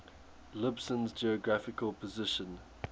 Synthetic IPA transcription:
lɪbsə̃nzd͡ʒiəɡɹafɪkʰəlˠpʰəzɪʃə̃n

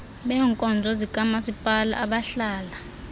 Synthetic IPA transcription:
ɓɛːŋkʼɔnd͡zʱɔzikʼamasipʼala̰ʔaɓaɬaːla

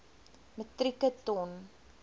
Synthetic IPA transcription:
mətrikətɔn

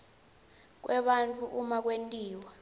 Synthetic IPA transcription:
k̬wʔɛɓantʰʼuʔumak̬wentʼiːwa

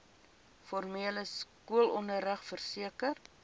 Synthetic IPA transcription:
fɔrmeːləskuəlɔndəɾəχfərsiəkər

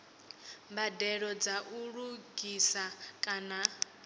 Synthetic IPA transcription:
mbadɛɺɔd͡zaʔuɺuɡisakʼana

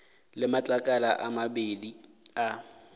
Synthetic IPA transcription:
lɪmat͡ɬʼakʼalaʔamabedi | a

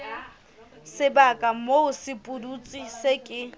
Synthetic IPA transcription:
sɪbakʼamoʊsɪpʼudut͡sʼisekʼɪ

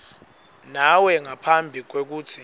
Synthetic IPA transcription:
nawɛŋapʰambʱik̬wek̬uːtʰi

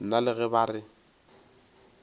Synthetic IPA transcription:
n̩nalɪɣɛbaːrɪ

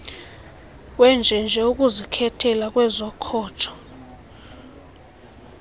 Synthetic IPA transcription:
wɛnd͡ʒʱɛnd͡ʒʱɛuk̬ʼuzikʰɛtʰɛlak̬ʼwɛzɔkʰɔːtʰɔ̥

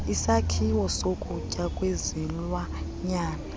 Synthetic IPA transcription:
isakʰiwɔsokʼucʼakʼwezinlwaɲaːna

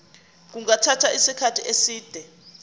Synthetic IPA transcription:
k̬uŋatʰatʰaisikʰatʰiʔesiːd̥ʱɛ

